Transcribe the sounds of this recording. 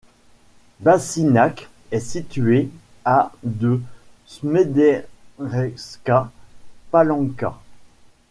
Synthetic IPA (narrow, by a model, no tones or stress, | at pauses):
basinak | ɛsit̪ɥe | ad̪ə | smed̪ɛʁɛskapalɑ̃ka̰